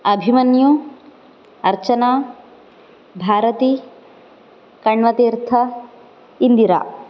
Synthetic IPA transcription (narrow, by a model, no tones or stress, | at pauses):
ɐbʱimɐnju | ɐɾt͡ʃɐnaː | bʱaːɾɐt̪i | kɐɳʋɐt̪iːɾt̪ʰɐ | ind̪iɾa̰ː